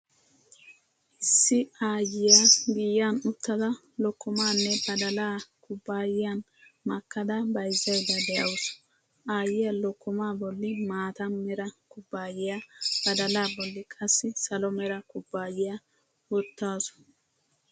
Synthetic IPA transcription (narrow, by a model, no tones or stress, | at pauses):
ʔɪsːɪaːjɪjaɡijːanʊt̪ːɐd̪ɐ | lɔkːɔmaːnːɛbɐd̪ɐlaːkʊbːaːjɪjan | mɐkːɐd̪ɐbɐjzːɐjd̪ɐd̪ɛʔɐ̰wʊsʊ̥ | ʔaːjɪjɐlɔkːɔmaːbɔlːɪmaːt̪ɐnmɛɾɐkʊbːaːjɪjab̥ɐd̪ɐlaːbɔlːɪkʼɐsːɪsɐlɔmɛɾɐkʊbːaːjɪjɐ | wɔt̪ːaːsʊ̥